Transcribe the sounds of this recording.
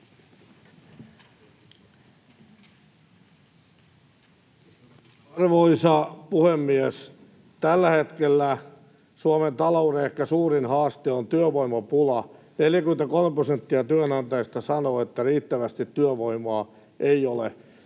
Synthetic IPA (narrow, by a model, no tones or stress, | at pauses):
ɑrʋoisɑpuhemːies | t̪ælːæhet̪kelːæ | suoment̪ɑlouɾeehkːæsuːrinhɑːst̪eont̪yøʋoimɑpulɑ | neljækyment̪ækolmeprosent̪ːiɑt̪yønɑnt̪ɑjst̪ɑsɑnoːet̪ːæriːt̪ːæʋæst̪it̪ːyøʋoimoɑ | ʔeiolḛ